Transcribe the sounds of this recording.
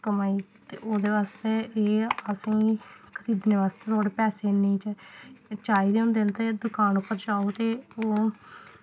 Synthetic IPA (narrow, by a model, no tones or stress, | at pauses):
kəmaːiː | t̪ḛːoːd̪eːʋaːst̪eːeːəsĩːkʰəɾiːd̪neːʋaːst̪eːt̪ʰoːɽepɛːseːnːĩːt͡ʃət͡ʃaːiːd̪eːʊ̃nd̪eːənt̪ed̪ʊkaːnʊpːəɾd͡ʒaːoːt̪eːoː